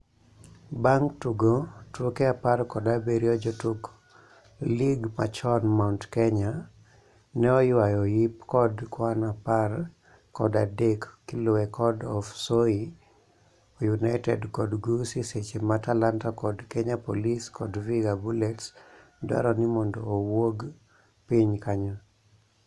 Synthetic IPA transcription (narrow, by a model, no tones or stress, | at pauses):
baŋktuɡotokeaparkɔdabeɾiɔd͡ʒɔtuk | liɡma̰t͡ʃɔnmauntkeɲa | nɛɔjwajɔjipkɔdkwanapar | kɔdadekːilowɛkɔdɔfsoi | ojunaɪtɛ̰dkɔdɡusiset͡ʃematalantakɔdkeɲapoliskɔdviɡabulɛts | da̰ɾɔnimɔndoːwoɡ | piɲkaɲɔ